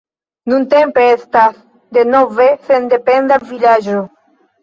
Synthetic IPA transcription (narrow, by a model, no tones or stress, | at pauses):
nũnt̪empest̪as | d̪enɔvesend̪epend̪alvilaʒu